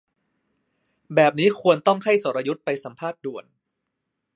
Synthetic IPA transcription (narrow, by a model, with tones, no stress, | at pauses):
bɛː˨˩p̚niː˦˥kʰu˧ənt̪ɔ˥˩ŋha˥˩jso˩˥ɾa˧ju˦˥t̪̚pa˧jsa˩˦mpʰaː˥˩t̪̚du˨˩ən